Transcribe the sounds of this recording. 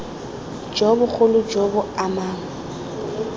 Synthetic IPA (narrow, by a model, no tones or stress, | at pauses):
d͡ʒɔbʊk͡xʰolʊd͡ʒɔbʊamaːŋ̩